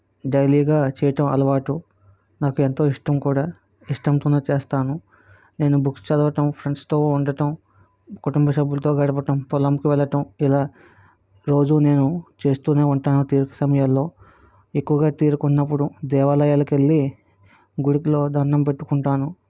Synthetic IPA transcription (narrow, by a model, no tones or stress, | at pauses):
ɖɐjliːɡaːt͡ʃɛːjɐʈɐmɐ̰lɐʋaːʈu | naːkue̞nt̪o̞ːiʂʈɐmkuːɽaː | iʂʈɐmt̪uːnɐt͡ʃeːst̪aːnu | ne̞ːnubukst͡ʃɐd̪ɐʋɐʈɐmpʰɾeɳʈst̪o̞ːuɳɖɐʈɐm | kuʈumbɐsɐbːulɐt̪o̞ːɡɐɽɐp̬ɐʈɐmpɔlɐmkiʋɛlːɐʈɐmilaː | ɾo̞ːd͡ʒune̞ːnut͡ʃe̞ːst̪uːneːuɳʈaːnut̪iːɾukɐ̥sɐmɐjɐlːo̞ː | ekːuʋɐɡaːt̪iːɾukunːɐp̬ːuɽud̪ɛːʋaːlɐjaːlɐkelːi | ɡuɽiklo̞ːd̪ɐɾnɐmpeʈːu̥kuɳʈaːnu